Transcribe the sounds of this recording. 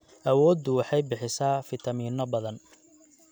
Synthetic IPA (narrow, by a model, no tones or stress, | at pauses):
ʔɐwɔːd̪ːʊwɑħɑjbɪħɪsaːfɪt̪ʰɐmiːnɔbɐðɐn